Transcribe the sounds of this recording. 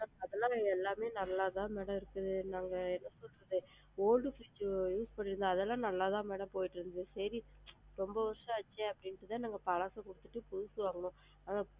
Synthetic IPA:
aːɐðɐnaːlɛlːaːmeːnɐlːaːt̪ãːmeːɽɐ̃mɪɾɯkːɐðɯnaːŋɡɐɛnːɐsɔlɾɐðɯ | oːlɖɯfiːt͡ʃːjuːspɐɳːɪɾɯnd̪ɯɐðɛlːãːnɐlːaːt̪ãːmeːɽɐ̃mpoːjɪʈːɯɾɯnd̪ɐðɯsɐɾiɾɔmbɐʋɐɾʂɐ̃ɐt͡ʃːẽɐpːɐɽɪnʈːɯt̪ãːnaːŋɡɐpɐɭaːsɐ̃kʊɽɯt̪ːɯʈːɯpʊðʊsɯʋaːŋɡɐʊ̃ | ɐna

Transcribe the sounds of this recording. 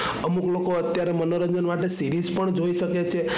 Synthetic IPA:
əmuklokoət̪jaɾemənoɾəɲd͡ʒənmaʈesiɾizpəɳd͡ʒoiʃəket͡ʃʰe

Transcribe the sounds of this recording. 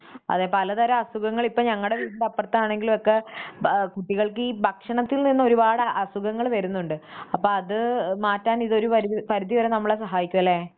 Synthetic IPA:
ɐ̰ðeːpɐlɐðɐɾɐɐsuɣɐŋːɐɭipːoːɲɐŋːɐɭɽe̞ʋiːd̪idɐpːɐrt̪ːɐaːɳe̞ŋɡilumo̞kːe̞ | kuʈːiɣɐɭkɨiːbʱɐkʂɐɳɐt̪ːilninːɐo̞ɾubaːɽɨɐsuɣɐŋːɐɭʋɐɾunːuɳɖɨɐpːo̞ːɭɐðɨmaːtːaːniðo̞ɾupɐɾipɐɾud̪iʋɐɾɐnɐmːɐɭesɐɦaːjikʲːumɐlːe

